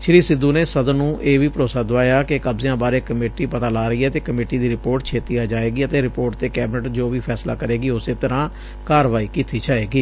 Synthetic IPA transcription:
ʃɾiːsɪd̪ːũːneːsəd̪ənũːʔeːʋiːpəɾoːsaːd̪ʊʋaːjaːkɪkəbzɪjãːbaːɾeːkəmeːʈiːpət̪aːlaːɾəiːɛːt̪eːkəmeːʈiːd̪iːɾɪpoːɾʈ̚t͡ʃʰeːt̪iːaːd͡ʒaːeːɡiːət̪eːɾɪpoːʈt̪eːkɛːbɪnəʈd͡ʒoːʋiːpʰɛːsla̰ːkəɾeːɡiːʊseːt̪əɾãː | kaːɾʋaːiːkiːt̪iːd͡ʒaːeːɡiː

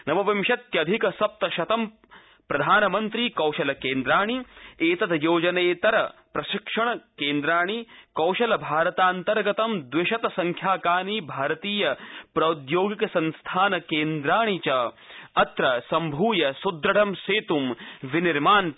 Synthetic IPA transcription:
nɐʋɐʋɐmʃɐt̪jɐɐd̪ʱikɐsɐp̚t̪ɐʃɐt̪ɐm | pɾɐd̪ʱaːnɐmɐnt̪ɾiːkɐwʃɐlɐkeːnd̪ɾaːɳ̃ieːt̪ɐd̪joːd͡ʒɐneːt̪ɐɾɐpɾɐʃɪkʂɐɳ̃ɐkeːnd̪ɾaːɳ̃ikɐwʃɐlɐbʱaːɾɐt̪aːnt̪ɐɾɡɐt̪ɐmd̪ʋɪʃɐt̪ɐsɐŋkʰjaːkaːniːbʱaːɾɐt̪iːjɐpɾɐud̪joːɡikɐsɐnst̪ʰaːnɐkeːnd̪ɾaːɳ̃it͡ʃɐ | ɐt̪ɾɐsɐmbʱuːjɐsud̪ɾɐɽɐmseːt̪umʋiniɾmaːn

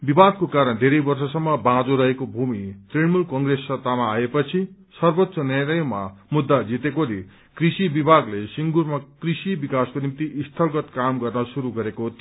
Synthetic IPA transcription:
bibʱad̪̚kokaɾʌnd̪ʱeɾʌjbʌrsʌsʌmːʌbãd͡zoɾʌɦekobʱumit̪riɽmulkʌŋɡresːʌt̪amaːepʌt͡sʰi | sʌrbot̪ːsʌnʌɾʌjmamud̪ːad͡zit̪ekole | krisibibʱaɡlesiŋɡuɾmakrisibikaskonimt̪iʔist̪ʰʌlɡʌt̪kamɡʌrnʌsuɾuɡʌɾekot̪

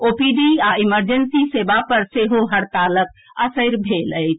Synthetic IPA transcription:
opiɖiaiməɾd͡ʒənsisebapəɾseɦoɦəɾt̪alək̚ | əsəɾbʱeləjt͡ʃʰ

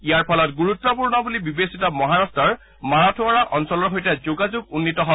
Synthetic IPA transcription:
ijaɹpʰɔlɔtɡuɹutːɔpuɹnɔbulibibesitɔmɔɦaɹastɔɹ | maɹatʰʊaɹaʔɔnsɔlɔɹɦojtɛzuɡazuɡunːitɔɦɔ

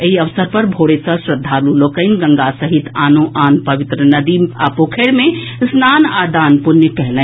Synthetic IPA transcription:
ɦiɐʋsəɾpɐɾbʱoːɽesəsɾəd̪ʱːaːluloːkəɪnɡɐ̃ŋɡasɐɦɪt̪aːnoʔaːnpɐʋɪt̪ɾənɐd̪iːma̰ːpoːkʰeːɽmẽ | snaːnaːd̪aːnpʊnjəkɛɦlẽ

